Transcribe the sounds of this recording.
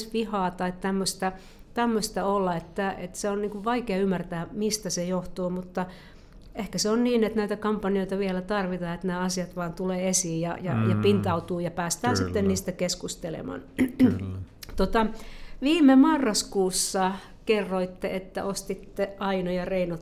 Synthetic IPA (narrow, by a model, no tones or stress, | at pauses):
sʋihɑːt̪ɑitt̪æmːøst̪æ | t̪æmːøst̪ɑolːɑet̪ːæḛt̪seonniːŋkuʋʋɑikeɑymːært̪æːmist̪æsejoht̪oːmut̪ːɑ | ehkæseonniːnet̪næit̪ækɑmpːɑnioit̪ɑʋielæt̪ɑrʋit̪ɑːet̪næːɑsiɑt̪ʋɑːnt̪uleːesiːjjɑ̰jɑ̰jɑpint̪ɑut̪uːjɑpæːst̪æːsit̪ːenniːst̪ækeskust̪elḛmɑ̰n | t̪ot̪ɑʋiːmemɑrːɑskuːsːɑ | kerːoit̪ːḛʔet̪ːæ̰ost̪it̪ːeʔɑinojɑreinot̪